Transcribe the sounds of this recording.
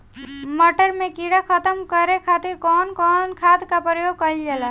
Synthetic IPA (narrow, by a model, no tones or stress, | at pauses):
mɔʈəɾmekiɽakʰət̪əmkəɾekʰat̪iɾkɔnkɔnkʰad̪kapɾəjoɡ̚kəild͡ʒela